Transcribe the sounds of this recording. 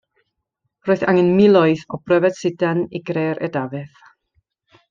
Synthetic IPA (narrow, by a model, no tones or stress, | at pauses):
roːɨθa̰ŋɛnmɪlˠɔɨθɔbrɛvɛd̥sɪdaniɡreːɾʔɛ̰davɛθ